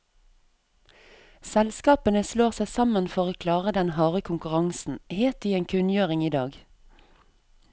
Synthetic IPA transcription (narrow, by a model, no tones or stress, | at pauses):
sɛlskɑːpənəsloːʁsæɪsɑmənfɔʁoːkʰlɑːʁəd̪ɛnhɑːʁəkʰʊŋkʉʁɑŋsn̩heːt̪̚d̪iːeːŋkʰʉnjøːʁɪŋiːd̪ɑːɡ